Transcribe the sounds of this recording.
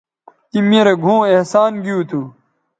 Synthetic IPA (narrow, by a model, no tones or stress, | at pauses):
k̪imeːɾeɡʱũːehsaːnɡiut̪ʰu